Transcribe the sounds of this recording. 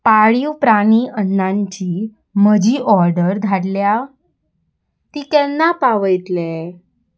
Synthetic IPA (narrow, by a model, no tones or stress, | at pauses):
paɭiwpɾaɽ̃iːənːaɲt͡ɕiː | məd͡ʑʱiːʔɔɾɖəɾd̪ʱaɽlja | t̪iːk̪ɛnːapaʋəjt̪le